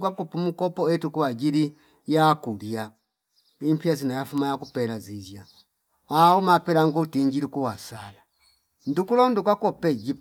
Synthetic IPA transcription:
kwakupumukɔpɔɛtukuwad͡ʒiɾi | jakulja | impiazinajafumajakupɛlazizja | aumapɛlaŋɡutiɲd͡ʒilikuwasala | ndukulɔndukwakɔpɛd͡ʒip

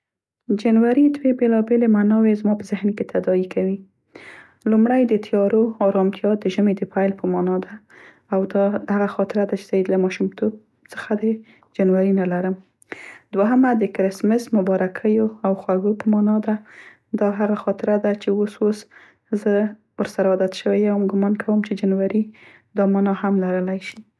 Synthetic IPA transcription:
d͡ʒanwaɾid̪webelɑbelemanɑwezmɑpəzɪhnket̪ʰad̪ɑikʰawi | lumɽajd̪ət̪ʰjɑɾoɑɾɑmt̪jɑd̪əʒəmed̪əpajlpəmɑnɑd̪aː | wd̪ɑhaɣaxɑt̪ɪɾad̪at͡ʃe̥z̥alamɑʃumt̪ʰob̚ | t͡sə̥xad̪ə | d͡ʒanwaɾinalaɾəm | d̪waɦəmad̪əkɾɪsmɪsmʊbɑɾakʰəjoawxwaɡopəmɑnɑd̪a | d̪ɑɦaɣaxɑt̪ɪɾad̪at͡ʃeosos | zə | wəɾsaɾad̪at̪ʃəwejawamɡʊmɑnkʰawəmt͡ʃed͡ʒanwaɾi | d̪ɑmɑnɑhamlaɾəlajʃi

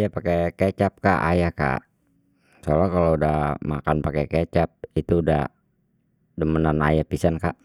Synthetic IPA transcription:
japakeket͡ʃap̚ka̰ʔa̰jaka̰ | solakaloudahma̰kanpakɛket͡ʃap̚it̪uːdah | dəmənana̰japisanka̰ʔ

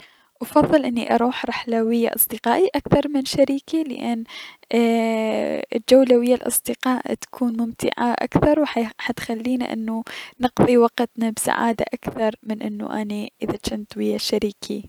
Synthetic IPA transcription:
ʔwɑfɑðˤːɨlʔɪnːiʔɑɾˤuːħɾˤɑħlawɪjːa̰ʔɑ̰sˤd̪ɪqɑːʔiʔakθɑɾˤmɪnʃaɾiːkilɪ̰ʔanː | ɪd͡ʒawlawɪjːalʔɑ̰sˤd̪ɪqɑːʔt̪ḁkʰuːnmʊmt̪ɪ̰ʕaʔa̰kθɑɾˤwħħat̪xalːiːnḭʔɪ̰nːunɨqðˤiwɑqt̪nabsa̰ʕa̰ːd̪a̰ʔakθɑɾˤmɪnʔɪnːṵʔaniʔɪðat͡ʃɪnt̪wɪjːaʃaɾiːkʰi

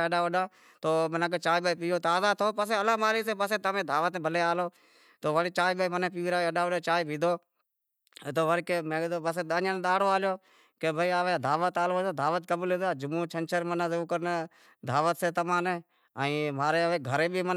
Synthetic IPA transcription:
əɗãːʋəɗãː | t̪oːmənãːk̬eːt͡ʃaːiːbaːpijoːt̪aːzaːt̪ʰoːpəs̬eːəlãːmaːliːseːpəseːt̪əmẽːd̪ʱaːʋət̪ːbʱəleːaːloː | t̪oːʋəɽt͡ʃaːibeːmənẽːpiːʋiːɾaːəɗaːʋəɗaːt͡ʃaːibʱiːd̪ʱoː | t̪oːʋəɽkemẽːoːbəseːɗ̪aːɲãnːɗ̪aːɽoːaːljoː | keːbʱəiːaːʋed̪ʱaːʋət̪aːloːoːd̪ʱaːʋət̪̚kəbəlɪd̪aːd͡ʒʊmuːt͡ʃʰənt͡ʃʰəɾmənãːzəuːkəɾn | d̪ʱaːʋət̪seːt̪əmãːneː | əĩːmaːɾeːəʋeːɡʱəɾeːbiːmən

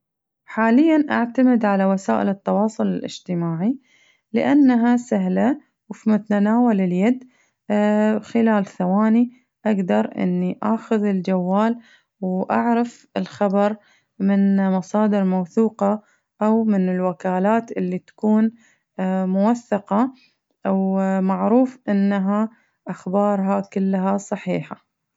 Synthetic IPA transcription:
ħaːlɪjːanʔaʕt̪amɪd̪ʕalawasaːʔɪ̰lɨt̪ːɑwɑːsˤʊlɪlʔɪ̰d͡ʒt̪ɪmaːʕi | lɪ̰ʔanːaɦasaɦla | wfimat̪aanaːwalɪljad̪ | xɪlaːlθawaːni | ʔaɡd̪ɑɾˤʔɪ̰nːiʔaːxʊðɪld͡ʒawːaːl | wʔaʕɾɑf | ɪlxabɑɾˤ | mɪnmɑsˤɑːd̪ɪɾmawθuːqɑ | ʔawmɪnɪlwakaːlaːt̪ʔɪlːit̪ḁkuːn | mʊwaθːɑqɑ | wmaʕɾuːfʔɪnːaɦa | ʔaxbɑːɾˤɦɑkʊlːɦasˤɑħiːħa

